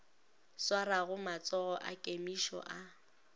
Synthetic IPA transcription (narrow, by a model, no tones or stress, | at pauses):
swaɾaɣʊmat͡sʼɔɣɔʔa̰kʼemiʃɔ̰ʔa